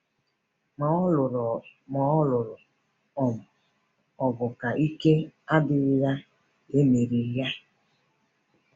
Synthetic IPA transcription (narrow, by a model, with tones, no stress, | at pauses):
m˨˦lʊ˨ɾmɔ˨˦ɔ˦lʊ˨ɾʊ˨ | ɔ˨mʊ˨ | ɔ˨ɡʊ˨ka˨ʔi˦ke˦a˦dɪ˨˦ja˦ | e˦me˨ɾi˨ja˦